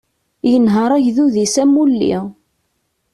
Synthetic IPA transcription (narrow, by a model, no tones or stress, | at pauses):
jənɦəɾˤæʝðuðisæmːulːḭ